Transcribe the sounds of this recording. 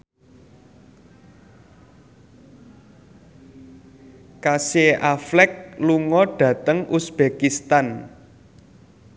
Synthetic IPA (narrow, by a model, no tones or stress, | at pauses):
kaseʔaflɛk̚luŋɔɖ̥ä̤t̪əŋʔusb̥ekist̪an